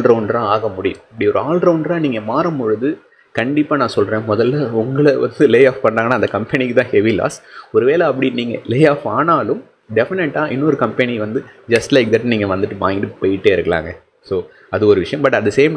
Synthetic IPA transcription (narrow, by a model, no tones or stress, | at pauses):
lɾɐʊnɖɾãːaːɣɐmʊɽɪjʊ̰̃mɐpːɐɽiɔɾɯaːlɖɾɐʊɳɖɾãːniːŋɡɐmaːɾɐmʊɻɯðɯ | kɐɳɖɪpːaːnãːsɔlɾẽːmɔðɐlːɐʊŋɡɐɭɐʋɐ̰nd̪ɯleːaːfpɐɳraːŋɡɐnaːɐnd̪ɐkɐmpɛnikːɯt̪ãːhɛʋila̰ːsɔɾɯʋeːlɐɐp̬ːɐɽiniːŋɡɐ̰leːjaːfaːnaːlɯm | ɖɛfɪnɛʈːãːʔɪnːɔɾɯkɐmpɛniʋɐnd̪ɯd͡ʒɐsʈlɐɪk̚d̪ɐʈːniːŋɡɐʋɐnd̪ɯʈːɯʋa̰ːŋɡɪʈːɯpɔjɪʈːeːɪɾɯkːɐla̰ːŋɡɐ | soː | ɐðɯɔɾɯʋɪʂɐjɐ̃mbɐʈːɐðɐseːm